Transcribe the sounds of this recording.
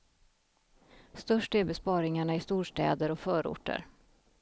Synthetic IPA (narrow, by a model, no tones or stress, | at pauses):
st̪œʂʈɛɾbɛspɑːɾɪŋaɳaɪst̪uːʂʈɛ̰ːd̪əɾɔfœːɾʊ̰ʈːə̰ɾ